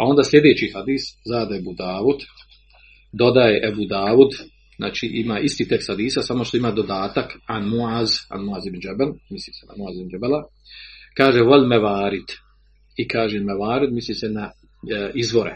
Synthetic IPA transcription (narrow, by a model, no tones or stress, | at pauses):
ao̞nd̪aːslʲe̞d̪eːt͡ɕihad̪iːszaːd̪ebud̪aːʋud̪ | d̪o̞d̪ajeʔebud̪aːʋud̪ | zna̰ːt͡ʃiʔimaːʔist̪iːt̪e̞kst̪had̪iːsasamo̞ʃt̪o̞imaːd̪od̪aːt̪akanmuaːza̰nmuaːzibnd͡ʒebelmislisena̰muaːzibnd͡ʒebela | kaːʒeʋolʲmeʋaːɾit̪ | ikaːʒemeʋaːɾid̪mislisena | izʋo̞ɾḛ